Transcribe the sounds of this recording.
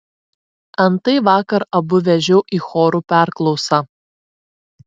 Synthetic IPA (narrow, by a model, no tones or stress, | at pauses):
ɐnt̪ɐɪʋɑːkɐɾɐbʊʋʲɛʒʲɛʊʔiːxoːɾuːpʲæˑɾklˠɒʊsɑː